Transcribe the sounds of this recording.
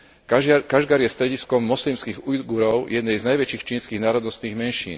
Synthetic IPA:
kaʒɡaɾjɛst̪ɾɛɟiskɔmːɔslimskiɣuj̪ɡuɾɔʊjɛd̪nɛjznajʋɛt͡ʃiːxt͡ʃiːnskiːɣnaːɾɔd̪nɔst̪niːɣmɛnʃḭːn

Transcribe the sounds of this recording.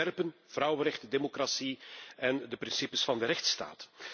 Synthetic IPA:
ɛrpənv̥rʌwəɾɛxtədemokrasiɛndəprɪnsipəsfɑndəɾɛxtsta̰ːt

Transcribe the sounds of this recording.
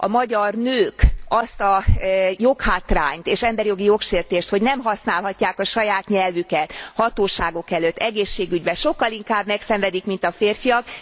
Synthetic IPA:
ʔɒ̰mɒɟɒrnøːkɒst̪ɒjo̞khaːt̪ra̰ːɲt̪eːʃɛmbɛɾjo̞ɡijo̞kʃeːrt̪eːʃt̪ho̞ɟnɛmɦɒsnaːlɦɒcːaːkɒʃɒjaːt̪ɲɛlvykɛt̪hɒt̪oːʃaːɡo̞kɛløt̪ːɛɡeːʃːeːɡyɟbɛʃo̞kːɒliŋkaːbmɛksɛɱvɛd̪ikmint̪ɒfeːrfijɒk̚

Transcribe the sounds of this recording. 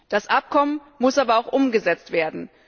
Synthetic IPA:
d̥asʔap̚kʰɔmən | mʊsʔaːbɐaʊxʔʊmɡəzɛt͡stv̥eːɐdn̩

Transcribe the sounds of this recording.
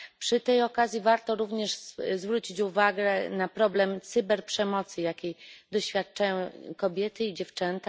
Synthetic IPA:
pʂɘt̪ɛjɔkazʲjivaɾt̪ɔɾuvɲɛʂzvɾut͡ɕit͡ɕuvaɡɛnapɾɔblɛmt̪sɘbɛɾpʂɛmɔt̪sɘjakʲejd̪ɔɕfʲjat̪̚t͡ʂajɔ̃w̃kɔbʲjɛt̪ɘid͡ʑɛft͡ʂɛnt̪a

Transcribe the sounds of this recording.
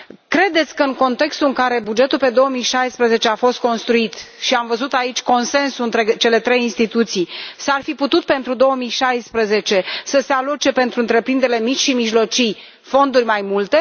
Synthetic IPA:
kɾe̞d̪e̞t̪sʲkəɨŋko̞nt̪e̞kst̪uɨŋkaɾe̞bud͡ʒe̞t̪ulpe̞d̪o̞womijʃajspɾəze̞t͡ʃe̞afo̞st̪̚ko̞nst̪ɾuit̪ | ʃiamvəzut̪ait͡ʃʲko̞nse̞nsuɨnt̪ɾe̞t͡ʃe̞le̞t̪ɾe̞jinst̪it̪ut̪sijsarfiput̪ut̪̚pe̞nt̪ɾud̪o̞wəmijʃajspɾəze̞t͡ʃe̞səse̞alot͡ʃe̞pe̞nt̪ɾuɨnt̪ɾe̞pɾind̪eɾelemit͡ʃʲʃimiʒlo̞t͡ʃij | fo̞nd̪urʲmajmult̪e̞

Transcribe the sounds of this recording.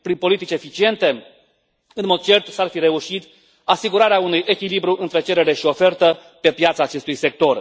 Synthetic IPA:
pɾinpo̞lit̪it͡ʃefit͡ʃie̞nt̪e̞ | ɨnmo̞d̪̚t͡ʃe̞rt̪sarfiɾe̞uʃit̪ | asiɡuɾaɾeaunujʔe̞kʲilibɾuʔɨnt̪ɾe̞t͡ʃe̞ɾeɾe̞ʃio̞fe̞rt̪ə | pe̞pjat̪saːt͡ʃe̞st̪ujse̞k̚t̪o̞r

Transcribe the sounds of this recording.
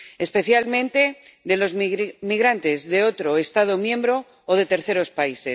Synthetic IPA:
espe̞θjalmẽ̞nt̪e̞ | d̪e̞lo̞zmiɣɾant̪e̞zðe̞o̞t̪ɾo̞est̪að̞o̞mjẽ̞mbɾo̞ː | ð̞e̞t̪eɾθe̞ɾo̞spaise̞s

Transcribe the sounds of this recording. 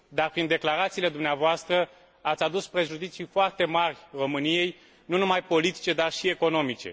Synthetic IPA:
d̪arpɾind̪e̞klaɾat̪siːle̞d̪umneavoast̪ɾə | at̪sʲad̪uspɾe̞ʒud̪it̪sijfoart̪e̞marʲro̞mɨnije̞j | nunumajpo̞lit̪i̥t͡ʃe̞d̪arʃie̞ko̞no̞mit͡ʃe̞̰

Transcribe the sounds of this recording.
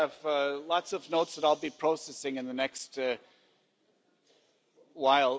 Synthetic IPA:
ɨvʌlɑtsʌvnoʊtsðəɾaɪlˠbipʰɹ̥oʊsɛsɪ̃ŋɨ̃nðɨnɛkst | waɪlˠ

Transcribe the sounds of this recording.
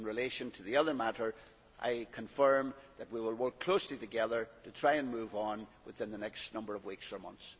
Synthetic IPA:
nɹɪlˠeʃɨ̃ntʰəðiʌðə˞maɾə˞ | ʔa̰ɪkʰə̃ɱfɜ̃˞mðət̚wiwɪlˠwɜ˞kʰl̥osliɾɨɡɛðə˞tʰɨtʰɹ̥aɪɨ̃nmʉvn̩wɪθɪ̃nðənɛkstnʌ̃mbə˞ʌvwiksə˞mʌ̰̃nθs

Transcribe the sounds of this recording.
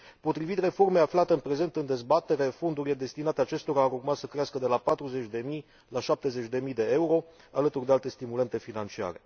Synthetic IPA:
po̞t̪ɾivit̪re̞fo̞rmeaflat̪e̞ɨnpɾe̞ze̞nt̪ɨnd̪e̞zbat̪e̞ɾefo̞nd̪uɾile̞d̪e̞st̪inat̪eat͡ʃe̞st̪o̞ɾaːɾurmat̪səkɾeaskəd̪e̞lapat̪ɾuze̞t͡ʃʲd̪e̞mij | laʃap̚t̪e̞ze̞t͡ʃʲd̪e̞mijd̪e̞e̞uɾo̞ | alət̪urd̪e̞alt̪e̞st̪imule̞nt̪e̞finant͡ʃia̰ɾe̞̰

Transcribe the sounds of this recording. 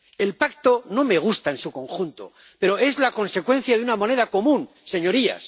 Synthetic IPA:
e̞lpakt̪o̞no̞me̞ɣ̞ust̪aensuko̞ŋxunt̪o̞̰ | pe̞ɾo̞e̞zlako̞nse̞kwe̞n̟θjaðunamo̞ne̞ðako̞mũn | se̞ɲo̞ɾia̰s

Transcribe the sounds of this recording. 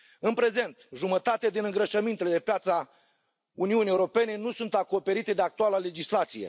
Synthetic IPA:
ɨnpɾe̞ze̞nt̪ʒumət̪at̪ead̪inɨŋɡɾəʃəmint̪e̞le̞d̪epjat̪sa | uniuniːewuɾo̞pe̞ne̞nusunt̪ako̞pe̞ɾit̪e̞d̪eak̚t̪ualəle̞d͡ʒislat̪sije̞̰

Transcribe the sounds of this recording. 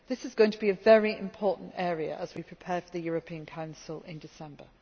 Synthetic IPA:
ðɪsɪzɡoʊɪ̃ŋtʰəbiəvɛɹiɪ̰̃mpʰɔˑʔn̩tɛːɹiə̰ʔəzwipʰɹ̥ɪpʰɛ̥ːfəðəjɔːɹəpʰĩə̃nkʰãʊ̃nsəlɪ̰̃ndɪsɛ̃mbə̰

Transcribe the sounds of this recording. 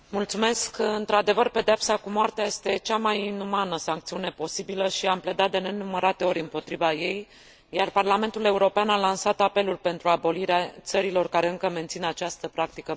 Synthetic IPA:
mult̪sume̞skɨnt̪ɾad̪e̞vərpe̞d̪eapsakumoart̪eaje̞st̪e̞t͡ʃamajinumanəsaŋkt̪siune̞po̞sibiləʃiample̞d̪at̪̚d̪e̞ne̞numəɾat̪e̞o̞ɾʲɨmpo̞t̪ɾivaje̞j | jarparlame̞nt̪ule̞uɾo̞peanalansat̪ape̞lulpe̞nt̪ɾuabo̞liɾeat̪səɾilo̞rkaɾe̞ɨŋkəme̞nt̪sinat͡ʃast̪əpɾak̚t̪ikə

